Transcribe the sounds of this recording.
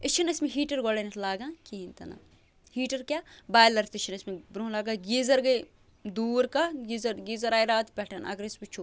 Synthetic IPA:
ɪt͡ʃʰinɐsmẽɦiːʈɐɾɡoɽɐnɐt̪ʰlaːɡãːkint̪ɐ̰na̰ | hiːʈɐɾkjaːbaːjlɐɾt̪it͡ʃʰinɐsmebɾũːlaːɡaːɡiːzɐɾɡɐj | d̪uːɾkɐɡizɐɾɡiːzɐɾaːiɾaːt̪pʲɛʈʰɐnɐ̰ɡɐɾɐsbit͡ʃʰu

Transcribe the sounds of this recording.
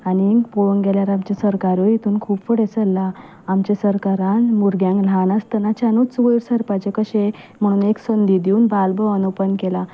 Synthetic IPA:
anikpoɭəŋɡeljaɾamt͡ɕasəɾkaɾoit̪ʰuːnkʰuːpfəɽesəlːaː | mt͡ɕesəɾkaɾanmuɾɡjãŋklaɳ̃ast̪ənat͡ɕanot͡suɡəɾsəɾpat͡ɕekəɕe | m̤əɽ̃uːneksənd̪id̪iuːnbalbəənopənkela

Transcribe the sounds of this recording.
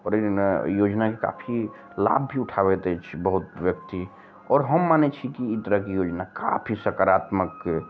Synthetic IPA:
ɔɾejod͡ʒnakeka̰pʰi | la̰bʱbiʊʈʰaβɛt̪ɛt͡ʃʰibəɦut̪ʋjək̚t̪i | ɔːɾɦəmːanet͡ʃʰikiit̪əɾəkijod͡ʒnaka̰pʰisəkaɾat̪məkː

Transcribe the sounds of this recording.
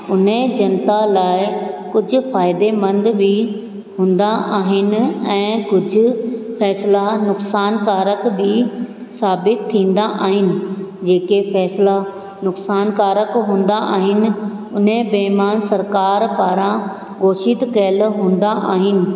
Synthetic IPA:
ʊn̤ẽd͡ʑɐnt̪alaːɪkʊd͡ʑʱʊ̆faːɪd̪emɐ̃nd̪bʱi | ɦũːnd̪aʔaːɦɪnɪ̆ɛ̃ːkʊd͡ʑʱʊ̆fɛːslanʊksaːnkaːɾəkbʱisaːbɪt̪ʰːĩːn̆d̪aʔaːɦɪnɪ̆d͡ʑeːkefɛːsla | nʊksaːnkaːɾəkɦũːn̆d̪aʔa̰ːɦɪnɪ̆ʊn̤ẽbeɦmaːnsɐɾkaːɾpaːɾã | ɡoːʃɪt̪kɐlɦũːn̆d̪aʔaːɦɪnɪ̆

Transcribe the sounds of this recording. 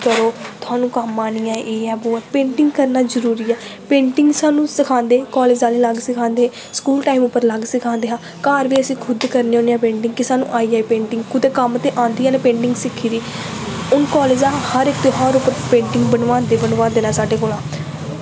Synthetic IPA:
kəɾoːt̪ʊɦaːnũːkəmaːnijãːʔeːɛːboːɛːpẽːɳʈɪŋɡkəɾnaːzəɾuːɾiːɛːpẽːɳʈɪŋɡsaːnũːsɪkʰãːnd̪eːkɔːleːd͡ʒãːliːləɡsɪkʰãːnd̪eː | skuːlʈaːiːmʊpːəɾləɡsɪkʰãːnd̪eːɦãː | kaːɾʋiːəsĩːkʰʊd̪kəɾneːoːnejãːpẽːɳʈɪ̃ŋɡkɪsaːnṵ̃ːʔaːiːaːiːpẽːɳʈɪ̃ŋɡkʰʊd̪eːkəmət̪eːʔãːnd̪iːjãːneːpẽːɳʈɪ̃ŋɡsɪkʰːiːd̪iːʊnkɔːleːd͡ʒãːhəɾɪkt̪eːɦəɾʊpəɾpẽːʈɪŋɡbənʋãːd̪eːbənʋaːd̪eːnãːsaːɖeːkoːlãː

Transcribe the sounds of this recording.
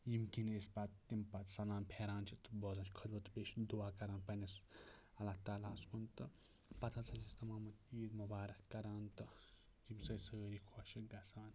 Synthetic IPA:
jimkinespat̪t̪ːimpat̪sɐlaːmpʰeːɾaːnt͡ʃʰit̪bɔzɐ̃nt͡ʃʰkʰɐlbɐt̪beʃd̪uwaːkɐɾaːnpɐnɐs | ɐlat̪aːlaːskunt̪ɨ | pɐt̪ʰat͡sɐsist̪ɐmaːmɐt̪iːd̪mubaːɾɐkːɐɾaːnt̪ɨ | jimsɐjsɐɡəɾikʰɔʃɐɡɐsaːn

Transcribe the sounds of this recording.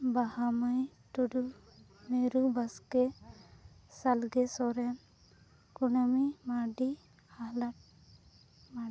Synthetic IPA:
bahamaj | ʈuɖu | meɾubaskɛ | salɡɛsɔɾɛn | kunamimaɖi | ala | ma

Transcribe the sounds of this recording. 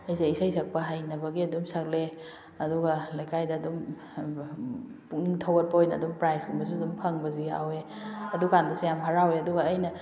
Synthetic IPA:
ɐjzaisajsak̚pɐɦajnɐbɐɡiɐdumsak̚le | ɐduɡɐlajkʰajdɐːdum | puk̚niŋtʰawɐt̚pɐojnɐːdumpɾajsɡumbɐzudumpʰɐŋbɐzuja̰we | ɐdukandɐsijamɦɐɾaweɐduɡɐːjnɐ

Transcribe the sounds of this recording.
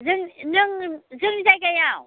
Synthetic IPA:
zɯŋnɯŋzɨŋnizajɡajaw

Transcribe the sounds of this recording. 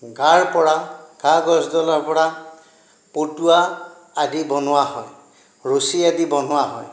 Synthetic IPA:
ɡaɹpɔɹakaɡɔsdɔlɔɹpɔɹa | potuaː | dibɔnʊwaɦɔj | ɹosiadibɔnʊwaɦɔj

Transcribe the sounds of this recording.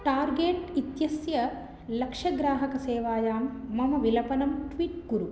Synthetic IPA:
ʈaːɾɡeːʈit̪jɐsjɐ | lɐkʂɐɡɾaːɦɐkɐseːʋaːjaːmːɐmɐʋilɐpɐnɐmʈʋiːʈkuɾu

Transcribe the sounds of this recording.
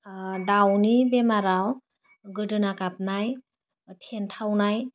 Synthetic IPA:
dawnibemaɾaw | ɡɯdɯnakap̚naj | tʰentʰawnaj

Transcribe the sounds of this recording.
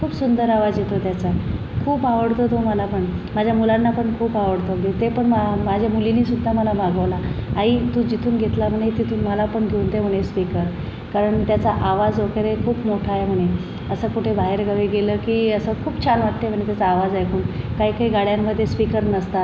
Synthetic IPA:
kʰuːpsund̪əɾaʋad͡zjet̪ot̪jat͡sa | kʰuːpaʋəɽt̪ot̪oməlapəɳmad͡ʑʱjamulanːapəɳkʰuːpaʋəɽt̪oɡet̪epəɳmamad͡ʑʱjamuliniːsud̪ʱːaməlamaɡəʋlaaɦiːt̪ũd͡ʑit̪ʰuːnɡʱet̪lam̤əɽ̃et̪it̪ʰuːnməlapəɳɡʱeuːnt̪em̤əɽ̃espikəɾ | kaɾəɳt̪jat͡saʔaʋad͡zʋəkeɾekʰuːpmoʈʰaem̤əɽ̃e | əsəːkuʈʰebaɦeɾɡʱəʋiɡeləkiːəsəkʰuːpt͡ɕʰanʋaʈ̪ːəem̤əɳ̃et̪jat͡saːʋad͡zajkuːnkaɦiːkaiːɡaɽjamːəd̪ʱːjespikəɾnəst̪a

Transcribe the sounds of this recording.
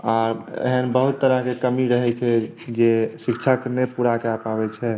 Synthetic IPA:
aɾḛɦənbəɦut̪ːəɾəɦkekəmiɾəɦɛt͡ʃʰɛ | d͡ʒesikt͡ʃʰakənepuɽakeapaβɛt͡ʃʰɛ

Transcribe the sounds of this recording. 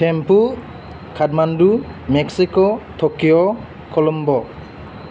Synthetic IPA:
pʰɛmpu | kʰadmandumɛksikɔtʰokijɔ | kʰɔlɔmbɔ

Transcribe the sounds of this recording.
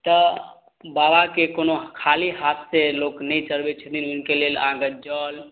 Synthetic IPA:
t̪ə | babakekonokʰaliɦat̪seloknəjt͡ʃəlbet͡ʃʰət̪inunkelelãɡəd͡ʒəl

